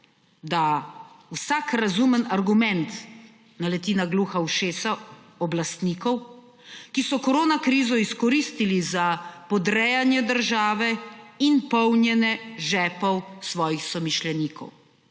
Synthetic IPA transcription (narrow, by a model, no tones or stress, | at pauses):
d̪awsakɾazumənaɾɡumɛnt̪ | nalɛt̪iːnaɡluːxawʃeːsa | ɔblast̪niːkɔw | kisɔkɔɾoːnakɾiːzɔiskɔɾist̪ilizapɔd̪ɾɛjanjɛd̪əɾʒaːʋɛinpɔwnjɛnɛʒɛːpɔwsʋɔːjixsɔmiʃlɛniːkɔ̰w